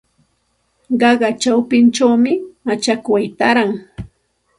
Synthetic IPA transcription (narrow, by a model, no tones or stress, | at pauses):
ɢɑɢɑt͡ʃawpɪnt͡ʃawmɪmat͡ʃakwajt̪aɾaŋ